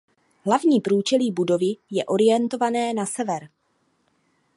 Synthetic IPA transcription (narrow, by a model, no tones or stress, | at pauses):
ɦlavɲiːpɾuːt͡ʃɛliːbudo̞vɪjɛʔo̞ɾɪjɛnt̪o̞vanɛːnasɛvɛɾ